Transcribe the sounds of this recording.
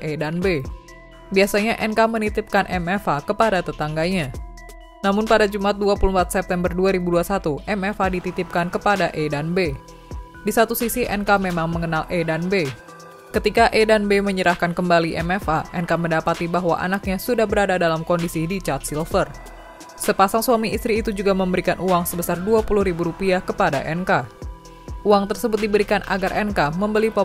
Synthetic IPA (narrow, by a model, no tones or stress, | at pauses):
edanbe | biasaɲaʔɛnkamənit̪ɪp̚kanʔɛmɛfakəpadat̪ət̪aŋɡaɲa | namʊnpadad͡ʒumat̪̚duapulumpat̪sɛp̚t̪ɛmbərduaɾibuduasat̪uʔɛmɛfadit̪it̪ɪp̚kankəpadaʔedanbe | disat̪usisiʔɛ̰nkamemaŋməŋənaledanbe | kət̪ikaʔedanbeməɲəɾahkankəmbaliʔɛmɛfaʔɛnkaməndapat̪ibaɦwa̰ʔa̰nak̚ɲasudahbəɾadadalamkɔndisidit͡ʃart̪̚silfər | səpasaŋsuamiist̪ɾiːt̪ud͡ʒuɡaməmbəɾikanʔuaŋsəbəsarduapuluhɾibuɾupiakəpadaʔɛnka | uaŋt̪ərsəbʊt̪̚dibəɾikanʔa̰ɡarʔɛnkaməmbəlipɔ